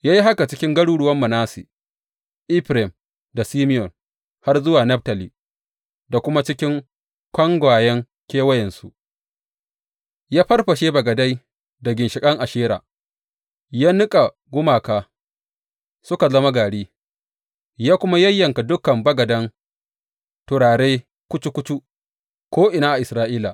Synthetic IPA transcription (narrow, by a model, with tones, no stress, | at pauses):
jaː˦ji˦ɦa˦ka˨t͡ʃɪ˦kʲɪ˦ŋɡɐ˦ɽuː˦ɽʊ˦wɐ˦mːɐ˨naː˦si˨ | ʔiː˦ɸɾɛ˨m | da˨siː˦mɪ˦jɔ˨n | ha˦rzʊ˦waː˨nɐ˦ɸ̚tɐ˨li˨ | da˨kʷʊ˦ma˦t͡ʃɪ˦kʲɪ˦ŋ | kʷɐ˦ŋɡʷaː˨jɛ˦ŋ | kʲeː˦wɐ˦jɛ˨nsu˦ʔ | jaː˦ɸɐ˦rɸɐ˨ʃeː˦bɐ˨ɡɐ˨da˦j | da˨ɡʲɪ˨nʃɪ˨kʼɐ˦ŋʔa˨ʃeː˦ɾa̰ː˨ | jaː˦nʊ˦kʼa˨ | ɡʷʊ˦maː˨kaː˨ | sʊ˦ka˨zɐ˦ma˦ɡaː˨ɽiː˦ | jaː˦kʷʊ˦ma˦jɐ˦jːɐ˨ŋka˨dʊ˦kɐ˨mbɐ˦ɡɐ˨dɐ˦ŋ | tʊ˨ɾaː˨ɽeː˦ | kʷʊ˦t͡ʃu˦kʷʊ˦t͡ʃu˦ | kʷoː˦ʔɪ˨naː˦ʔa˨ʔɪ˨sɾaː˦ʔiː˦la̰˨